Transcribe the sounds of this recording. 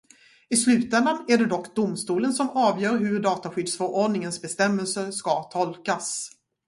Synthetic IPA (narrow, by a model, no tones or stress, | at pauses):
ɪslʉ̟ːt̪ɛnd̪anæɖɛd̪ɔkːd̪ʊmst̪uːlənsɔmɑːvjœːɾɦɵɖɑːt̪aɧʏd̪sfœɾʔɔɖnɪŋənsbɛst̪ɛmːəlsəʂkat̪ʰɔlkas